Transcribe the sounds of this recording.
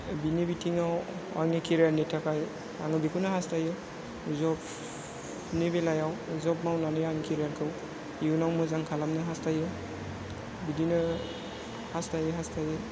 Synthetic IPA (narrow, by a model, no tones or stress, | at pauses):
binebitʰiŋawaŋikʰiɾiaɾnetʰakʰaj | a̰ŋɯbikʰɯnɯɦastajɯ | uzɔp̚ | nebelajawuzɔp̚mawnanɯjaŋikʰiɾijaɾkʰɯw | iunawmɯzaŋkʰalamnɯɦastajɯ | bidinɯ | hastajɯɦastʰajɯ